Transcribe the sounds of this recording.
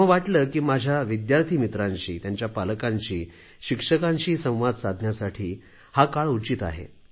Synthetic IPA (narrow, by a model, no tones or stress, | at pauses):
əʋaʈləːkiːmad͡ʑʱjaʋid̪jaɾt̪ʰiːmit̪ɾaɲt͡ɕiːt̪jaɲt͡ɕjapaləkãɲt͡ɕiː | ɕikʂəkaɲt͡ɕiːsə̃w̃ʋad̪sad̪ʱnjasaʈʰiː | hakaɭut͡ɕit̪a̰ɦḛ